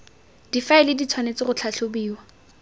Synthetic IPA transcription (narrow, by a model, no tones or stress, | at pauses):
d̥ifaɪlɪdit͡sʰwanet͡sɪχʊt͡ɬʰaɬʰobiːwa